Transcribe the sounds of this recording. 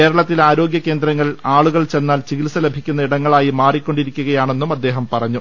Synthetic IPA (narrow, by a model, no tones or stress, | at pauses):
keːɾɐɭɐt̪ːilaːɾo̞ːɡɡjɐke̞ːnd̪ɾɐŋːɐɭaːɭuɣɐɭt͡ɕe̞nːaːlt͡ɕiɣilsɐle̞bʱikʲːunːɐiɽɐŋːɐɭaːjimaːrikʲːo̞ɳɖiɾikʲːuɣɐjaːɳe̞nːumɐd̪ːe̞ːɦɐmpɐrɐɲːu